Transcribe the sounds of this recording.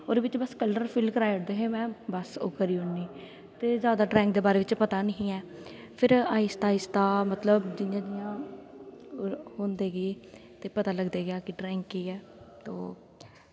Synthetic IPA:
oːd̪eːbɪt͡ʃbəskələɾpʰɪlkəɾaːiʊʈd̪eːɦeːmɛ̃ːbəso̰ːkəɾiːʊɳːiː | t̪eːzjaːd̪aːɖɾɛ̃ːŋk̚d̪eːbaːɾeːʋɪt͡ʃpət̪aːnəɦĩːɛː | pʰɪɾaːɪst̪aːɪst̪aːmət̪ləbd͡ʒɪnjãːd̪ɪjãː | hoːnd̪eːɡeːt̪eːpət̪aːləɡd̪eːɡɪjaːkɪɖɾɛːŋkːiːɛː | t̪oː

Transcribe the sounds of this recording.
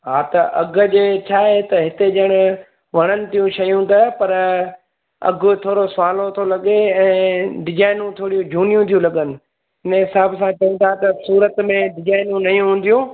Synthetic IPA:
ɦaːt̪ɐʔɐɡʊ̆d͡ʑeːt͡ɕʰaːɦet̪ɐɦɪt̪ed͡ʑɐɽ̃ʊ | ʋɐɽ̃ənɪ̆t̪ijũʃɐjũt̪ɐpɐɾ | ɐ̰ɡʱʊt̪ʰoːɾosʋaːlot̪ʰolɐɠeɛ̃ːɖɪd͡ʑaːɪnũt̪ʰoːɽijũd͡ʑʱuːnijũt̪ʰijũlɐɠənɪ̆ | ɦɪnɦɪsaːbsãt͡ɕɐɦĩnt̪ʰat̪ɐsuːɾət̪mẽɖɪd͡ʑaːɪnũnɐijũɦũːn̆d̪ijũ

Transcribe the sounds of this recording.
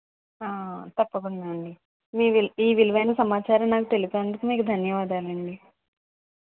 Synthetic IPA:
aːt̪ɐpːɐkund̪aːɳɖi | miːʋiiːʋilʋɐjnɐsɐmaːt͡ʃaːɾɐmnaːkut̪e̞lipoɐɳʈ̪uk̪umiːkud̪ʱɐnjɐʋaːd̪aːlɐɳɖi

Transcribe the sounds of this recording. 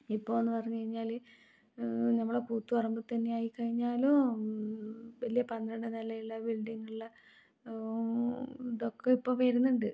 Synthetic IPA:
ipːoːonːɨpɐrɐɲːukɐɻiɲːaːl | nɐmːɐɭɽepuːt̪ːuɐrɐmbut̪ɐnːe̞jaːjikːɐɻiɲːaːlu | ʋɐlijɐpɐnd̪ɾɐɳɖɨnɐlɐjilːɐbilɖiŋɡɐɭlɐ | iðokːeipːoːpeːɾunːuɳɖɨ

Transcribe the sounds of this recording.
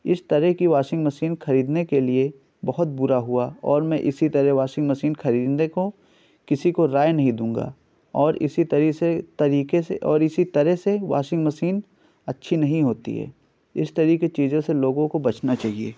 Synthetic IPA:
ɪst̪ɐɾɛɦkiʋaːʃɪ̃ŋɡmɐsiːnxɐɾiːd̪nekelie | bɐɦʊt̪̚bʊɾaɦuaɔːɾmɛ̃ʔɪsit̪ɐɾɛɦʋaːʃɪ̃ŋɡmɐsiːnxɐɾiːd̪neko | kɪsikoɾaːjnɐɦĩd̪ũːŋɡa̰ː | ɔːɾɪ̰sit̪ɐɾiset̪ɐɾiːkeseʔɔːɾɪsit̪ɐɾɛseʋa̰ːʃɪ̃ŋɡmɐsiːn | ɐtːʃʰinɐɦĩɦoːt̪ḭɦɛ̰ː | ɪst̪ɐɾiːket͡ʃiːzõseloːɡõkobɐt͡ʃnat͡ʃaːɦiḛː

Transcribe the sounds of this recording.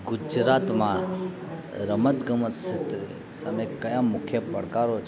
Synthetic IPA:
ɡʊd͡ʒɾat̪mã | ɾəmət̪ɡəmət̪ʃet̪ɾe | səməkəjãmʊkʰjəpə̰ɽkaɾot͡ʃʰ

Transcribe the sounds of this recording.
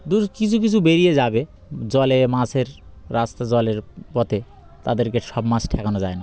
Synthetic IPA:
d̪ukit͡ɕʰuk̬it͡ɕʰubeɾied͡ʑabe | d͡ʑɔlemaseɾɾast̪ad͡ʑɔleɾpɔt̪e | t̪ad̪eɾkeʃɔbmasʈʰɛkanod͡ʑaena

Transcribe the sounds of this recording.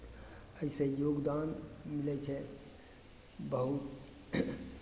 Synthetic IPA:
əɪsejoːɡd̪aːnmɪlet͡ʃʰɛ | bəɦu

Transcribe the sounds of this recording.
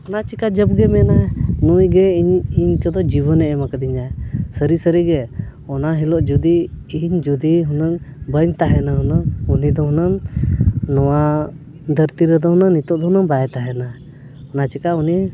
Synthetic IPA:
ɔnat͡ʃikad͡ʒəbɡɛmɛnaɛnujɡɛiɲiɲkɛd̪ɔd͡ʒibənɛʔɛmakəd̪iɲaɛsəɾisəɾiɡɛ | ɔnaɦilɔʔd͡ʒud̪iːɲd͡ʒud̪iɦunəŋbəɲt̪aɦɛnaɦunəunid̪ɔɦunəŋː | ɔwa | d̪ʱəɾt̪iɾɛd̪ɔɦunənit̪ɔʔd̪ɔɦunəŋbajɛt̪aɦɛna | ɔnat͡ʃikauni

